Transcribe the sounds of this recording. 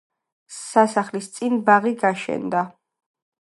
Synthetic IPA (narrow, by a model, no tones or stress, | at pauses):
sasaχlist̪sʼinbaʁiɡaʃɛ̰nd̪a